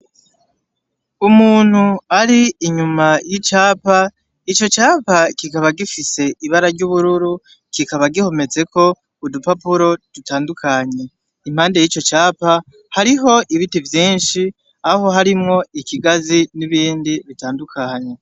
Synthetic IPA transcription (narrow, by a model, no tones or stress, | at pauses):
umuːn̥huaɾiːɲumajit͡ʃaːpa | it͡ʃo̞t͡ʃaːpakikaβaɡifise̞iβaɾaɾɟuβuɾuɾu | kikaβaɡiho̞me̞ze̞ko̞ | udupapuɾo̞d̥utaːndukʰaɲe̞ | im̥haːnde̞jit͡ʃo̞t͡ʃaːpa | haɾiɦo̞ʔiβitivjiːnʃi | aɦo̞ɦaɾimŋo̞ikiɡaziniβiːndiβitaːndukʰaɲe̞